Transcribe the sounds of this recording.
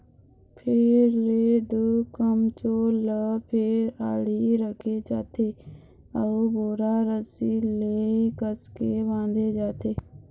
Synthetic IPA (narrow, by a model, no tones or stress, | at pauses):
pʰɪɾleːd̪okəmt͡ʃoːləpʰɪɾaːɽiːɾəkʰet͡ʃa̰ːt̪eː | əuboːɾaːɾəsileːkəskeːbãːnd̪eːd͡ʒaːt̪eː